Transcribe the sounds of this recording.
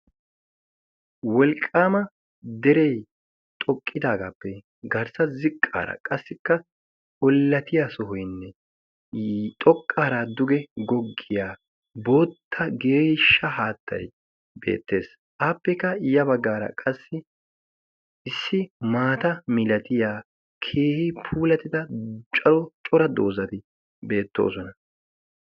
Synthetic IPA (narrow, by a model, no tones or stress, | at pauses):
wɔlkʼːaːmɐ | d̪ɛɾɛj | t̪ʼɔkʼːɪd̪aːɡaːpːɛ | ɡɐɾsɐzɪkʼːa̰ːɾɐ̰kʼɐsːɪkːɐ | ɔlːɐt̪ʰɪjaːsɔɦɔjnːɛ | t̪ʼɔkʼːaːɾad̪ʊɡɛɡɔɡːɪjaː | bo̞ːt̪ʰːɐɡe̞ːʃːɐhaːt̪ːɐ̰j | bḛːt̪ːe̞̰ːs | ʔaːpːɛkːɐjɐbɐɡːaːɾɐ̰kʼɐsːɪ | ɪsːɪmaːt̪ɐmɪlɐt̪ɪjaː | kʰe̞ːhɪpʰuːlɐt̪ɪd̪ɐt͡ʃʼɐlɔt͡ʃʼɔɾɐd̪oːzɐt̪ɪ | be̞ːt̪ːo̞̰ːsɔnɐ